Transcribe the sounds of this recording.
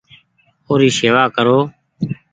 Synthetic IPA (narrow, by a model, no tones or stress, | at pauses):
oːɾiːseːʋaːkəɾoː